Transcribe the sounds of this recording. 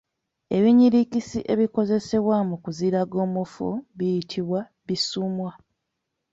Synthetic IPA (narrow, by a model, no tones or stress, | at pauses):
e̞βiɲiɾikisiʔe̞βiko̞ze̞se̞βwamukuziɾaɡo̞ːmufṵβijitʰiβwa | βisuːmwa